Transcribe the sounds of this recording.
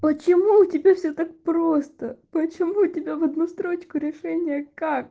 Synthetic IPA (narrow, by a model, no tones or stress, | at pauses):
pət͡ɕɪmuʊtʲɪbʲafsʲit̪ak̚pɾost̪ɐpət͡ʃɪmuʊtʲɪbʲaʋɐd̪nust̪ɾot͡ʃkʊɾʲɪʂɛnʲɪjəkak̚